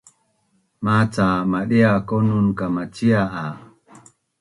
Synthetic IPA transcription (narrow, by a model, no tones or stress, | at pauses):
mat͡samaɗiakonunkamat͡ʃiaa